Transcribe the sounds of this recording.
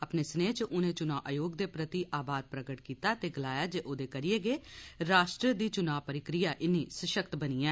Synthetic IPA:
əpneːsəneːt͡ʃʔʊnẽːt͡ʃʊnaːʔjoːɡd̪eːpɾət̪iːʔaːbaːd̪̚pɾəɡəʈkiːt̪aːt̪eːɡəlaːjaːd͡ʒeːʔoːd̪eːkəɾieːɡeːɾaːʃʈɾəd̪iːt͡ʃʊnaːʋpəɾɪkɾɪjaːʔɪnːiːsəʃəkt̪bəniːɛ̃ː

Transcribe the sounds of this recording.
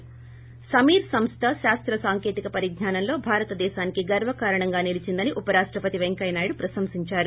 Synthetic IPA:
sɐmiːɾsɐmst̪ʰɐʃaːst̪ɾɐsaːŋke̞ːt̪ikɐpɐɾiɡɲaːnɐmlo̞ːbʱaːɾɐt̪ɐd̪ɛːʃaːnikiɡɐɾʋɐkaːɾɐɳɐŋɡaːnilit͡ʃind̪ɐniʔupɐɾaːʂʈɾɐpɐt̪iʋeŋkɐjnaːjɽupɾɐsɐmsiɲt͡ʃaːɾu

